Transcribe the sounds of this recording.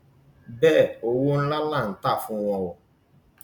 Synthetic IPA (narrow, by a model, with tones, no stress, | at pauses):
bɛː˦˨o˦wo˦n̩˦la˦la˦˨n̩˨˦ta˦˨fũ˦wɔ̃˧wɔ˨